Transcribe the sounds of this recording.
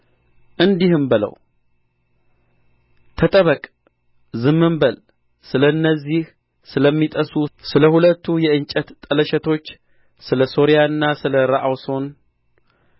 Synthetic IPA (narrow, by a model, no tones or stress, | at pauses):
ʔɨnd̪ihɨmbɨlə̰w | t̪ʰət̪ʼəβəkʼ | zɨmːɨmbəl | sɨləɨnːəzːih | sɨləmːit̪ʼəsusɨləhulət̪ːujɛɨnt͡ʃʼət̪t̪ʼːələʃɛt̪ʰo̞t͡ʃː | sɨləso̞ɾijaɨnːasɨləɾaʔawso̞n